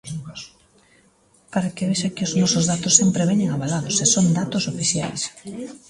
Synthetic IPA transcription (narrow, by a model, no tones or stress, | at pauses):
paɾakɪβeʃakɪʊznɔsozðat̪ʊsːempɾeβeɲeŋaβalaðʊsesond̪at̪ʊsofiθja̰js